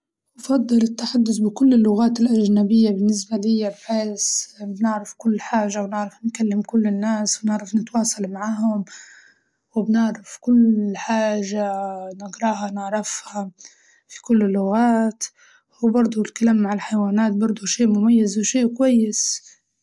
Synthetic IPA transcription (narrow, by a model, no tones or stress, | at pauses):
wfɑd̪ˤːɨlɪt̪ːaħad̪ːʊsbɪkʊlːɪlːʊɣaːt̪ɪlʔaʒnabɪjːabɪnːɪsbalɪjːabħeːsbnɪʕɾɪfkʊlːħaːʒawnɪʕɾɪfnkalːɪmkʊlːɪnːaːswnɪʕɾɪfnɪt̪wɑːsˤɑlmaʕaːɦʊm | wɪbnɪʕɾɪfkʊlħaːʒanɪɡɾˤɑːhɑnaʕɾˤɑfha | fi̥kʊlːɪlːʊɣaːt̪ | wbɑɾˤd̪ˤʊlkalaːmːaʕɪlħajwaːnaːt̪̚bɑɾˤd̪ˤʊʃeːʔmʊmajːazwʃeːʔkwajːɪs